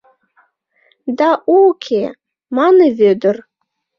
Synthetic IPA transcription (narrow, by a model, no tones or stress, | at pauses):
d̪aʔukʲʰe | mɑnɨvød̪ər